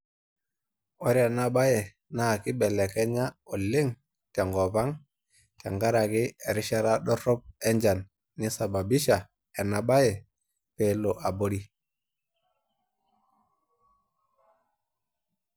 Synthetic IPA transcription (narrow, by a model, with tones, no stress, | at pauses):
o˦ɾi˦a˨na˦ɓa˦je˨ | na˦˨ki˦ɓe˨le˨ke˦ɲa˦o˨li˦ŋ | te˨ŋɡo˨βa˦ŋ | te˨ŋɡa˦ɾa˨ki˦e˨ɾi˦ʃa˦ɾa˦ɗo˦ɾo˦p̚e˦ɲd͡ʒa˨nː | i˦sa˨ba˨bi˦ʃa˨ | e˨na˨ɓa˦je˨ | pe˦˨˦lo˨ʔa˨bo˦ɾi˦